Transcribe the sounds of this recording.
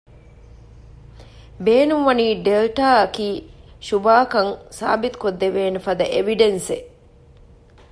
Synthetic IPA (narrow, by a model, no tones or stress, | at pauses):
beːnumʋɐniːɖelʈaːɐkiːʃubaːkɐŋsa̰ːbit̪u̥kod̪ːeʋeːnəfɐd̪ɐʔeʋiɖense